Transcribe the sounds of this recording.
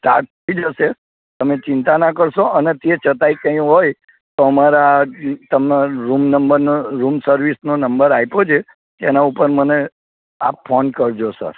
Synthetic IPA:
sʈaɾʈ̚t̪ʰəid͡ʒəʃe | t̪əmet͡ʃɪnt̪anakəɾʃoʔənet̪et͡ʃət̪aikə̃jũɦoj | t̪oəmaɾat̪əmnaɾumnəmbəɾnoɾumsəɾʋisnonəmbəɾajpod͡ʒʰe | t̪enaupəɾməne | a̰pfʰonkəɾd͡ʒosə̰ɾ

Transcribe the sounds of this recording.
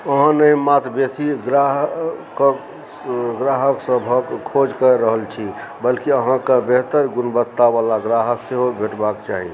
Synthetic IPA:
əɦãnəĩmat̪besiɡɾaɦk | ɡɾaɦəksəbʱəɡkʰod͡ʒkəɾəɦəlt͡ʃʰibəlkiəɦãkabeɦt̪əɾɡunbət̪ːaʋalaɡɾaɦəkseɦobʱeʈbakt͡ʃaɦḭ

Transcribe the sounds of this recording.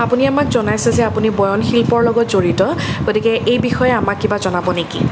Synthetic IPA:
apuniamakzɔnajsɛzɛapunibɔjɔnxilpɔɹlɔɡɔtzoɹitɔɡotikɛʔejbixɔjɛamakːibazɔnabɔneki

